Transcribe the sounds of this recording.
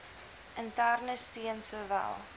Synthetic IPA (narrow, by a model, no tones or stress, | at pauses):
ʔəntærnəstiənsuvæ̰lˠ